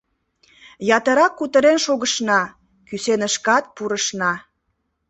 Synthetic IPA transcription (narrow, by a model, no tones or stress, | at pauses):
jɑt̪əɾɑkːut̪əɾenʃoɣəʃnɑ | kysenəʃkɑt̪̚puɾəʃnɑ